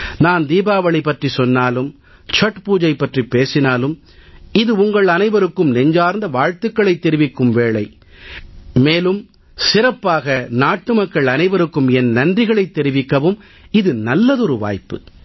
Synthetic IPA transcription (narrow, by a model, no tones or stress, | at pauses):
naːnd̪iːbaːʋɐɭipːɐʈrisɔnːaːlɯm | t͡ʃɐʈpuːd͡ʒɐɪpːɐʈripːeːsɪnaːlɯm | ɪðɯʊŋɡɐɭɐnɐɪʋɐɾɯkːɯmnɛɲd͡ʒaːɾnd̪ɐʋaːɻt̪ɯkːɐɭɐɪt̪ːɛɾɪʋɪkːɯmʋeːɭɐɪ | meːlɯm | sɪɾɐpːaːɣɐnaːʈːɯmɐkːɐɭɐnɐɪʋɐɾɯkːɯmɛnnɐndrɪɣɐɭɐɪt̪ːɛɾɪʋɪkːɐʋɯm | ɪðɯnɐlːɐðɔɾɯʋa̰ːjpːɯ